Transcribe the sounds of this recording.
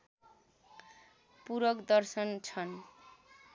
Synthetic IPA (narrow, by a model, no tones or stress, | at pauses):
puɾʌkd̪ʌrsʌnt͡sʰʌn